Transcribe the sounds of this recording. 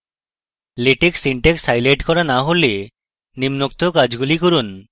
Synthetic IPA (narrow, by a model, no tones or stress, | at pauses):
leʈeksiɳʈeksajleʈkɔɾanaɦole | nimnok̚t̪okad͡ʒɡulikɔɾun